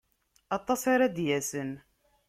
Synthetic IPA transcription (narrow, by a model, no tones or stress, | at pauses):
ɑt̪ˤːɑsɑɾad̪jæsən